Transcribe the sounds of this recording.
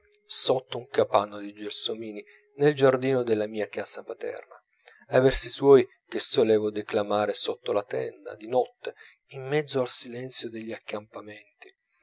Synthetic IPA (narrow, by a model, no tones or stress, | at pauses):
sot̪ːouŋkapanːod̪id͡ʒersomiːni | neld͡ʒard̪iːnod̪elːamiːakaːsapat̪ɛ̰rna | avɛrsiswɔːj | kesːolɛːvod̪eklamaːɾesot̪ːolat̪ɛnd̪a̰d̪inɔt̪ːe | imːɛd̪zːoalsilɛnt̪sjod̪eʎːiakːampamɛnt̪i